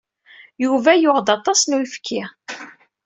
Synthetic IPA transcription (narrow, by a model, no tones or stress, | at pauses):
juvæjʊʁd̪ɑt̪ˤɑsnujfkʰːɪ